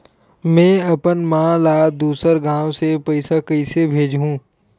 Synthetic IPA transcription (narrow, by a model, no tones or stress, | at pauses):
mɛ̃ːɐpənmãːlaːd̪uːsəɾɡãːwsepɐɪsakəɪsebʱeːd͡ʒɦũː